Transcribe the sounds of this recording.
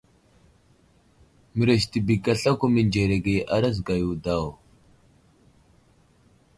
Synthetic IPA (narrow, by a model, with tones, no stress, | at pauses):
mɨ˨ɾə˨ʃ̬ti˨bi˨ka˨ɬa˦kʷu˦mə˨nd͡ʒe˨ɾe˨ɡe˨ʔa˦ɾa˦z̬ɡa˨ju˨da˦˨w